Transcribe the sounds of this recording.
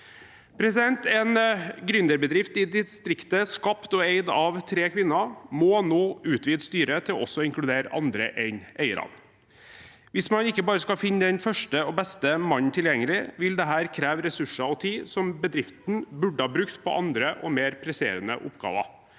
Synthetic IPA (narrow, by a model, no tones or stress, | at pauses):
pʰɾɛsɪd̪ɛnt̪ɛnɡɾʏnd̪əɾbəd̪ɾɪft̪ɪd̪ɪst̪ɾɪkt̪əskɑpt̪ɔeɪd̪ɑʋt̪ʰɾeːkʰʋɪnːɑmɔnoːʉːt̪ʋiːd̪st̪yːɾət̪ʰɪlɔɔsɔɪŋklʉd̪eːɾɑ̰nd̪ɾə̰ʔɛɪneʏə̰ɾɑ̰n | ʋɪsmɑnɪkːəbɑːɾəskɑfɪnːd̪ɛnfœʂʈəɔbɛst̪əmɑɲt̪ʰɪljɛŋːəlɪʋɪld̪ɛɦæːɾkʰɾæːʋɾɛsʉʂɑɔt̪ʰiːsɔmbəd̪ɾɪft̪n̩bʉɖːəhɑːbɾʉkt̪pʰɔ̰ʔɑnd̪ɾəʔɔ̰meːɾpʰɾɛsḛːɾənə̰ʔʊ̰pːɡɑ̰ːʋɑ̰